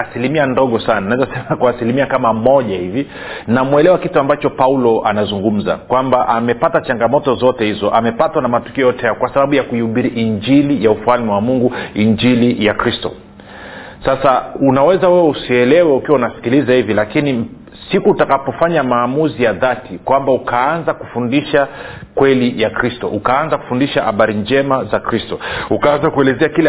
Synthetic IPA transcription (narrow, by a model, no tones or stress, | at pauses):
asilimiandɔɠɔsananaɛzasɛmakwaːsilimiakamamɔʄahivi | namwɛlɛwakituambat͡ʃɔpaulɔanazuŋɡum̩za̰kwambaʔamɛpatat͡ʃaŋɡamɔtɔzɔtɛhizɔʔamɛpatwanamatu̥kiɔjɔtɛjaɔkwasaɓaɓujakuiuɓiɾiʔiɲd͡ʒilijaufualmiwamuŋɡuiɲd͡ʒilijakɾistɔ̰ | sasaunawɛzawɛwɛusiɛlɛwɛukiwaunasi̥kilizahivilakini | sikuːtakapɔfaɲamaːmuzijaðatʰikwambaukaanzakufundiʃakwɛlijakɾistɔ̰ʔukaanzaku̥fundiʃaha̰ɓaɾind͡ʒɛmazakɾistɔukaanzakuɛlɛzɛakilɛ